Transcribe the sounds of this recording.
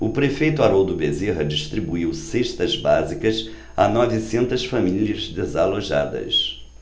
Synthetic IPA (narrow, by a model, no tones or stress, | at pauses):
ʊpɾefejt̪ʊaɾod̪ʊbezeɦɐd͡ʒiʃt̪ɾibuiwseʃt̪ɐzbazikɐz | ɐ̰nɔvisẽnt̪ɐsfamiliɐzd̪ezaloʒa̰d̪ɐ̰s